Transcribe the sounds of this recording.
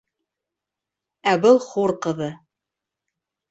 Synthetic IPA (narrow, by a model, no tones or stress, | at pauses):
æbɤlˠχuɾqɤ̆ðɤ